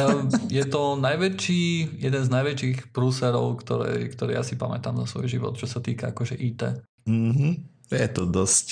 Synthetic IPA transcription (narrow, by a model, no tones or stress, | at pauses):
jɛt̪ɔnajʋɛt͡ʃiːjɛd̪ɛnznajʋɛt͡ʃiːxpɾuːsɛɾɔʊkt̪ɔɾɛ̰jkt̪ɔɾɛ̰jʔasipamɛt̪amzasʋɔ̰jʒiʋɔ̰t̪t͡ʃɔsat̪iːkaakɔʒɛʔiːt̪ɛ̰ | m̩ɦ̩ | jɛt̪ɔd̪ɔsc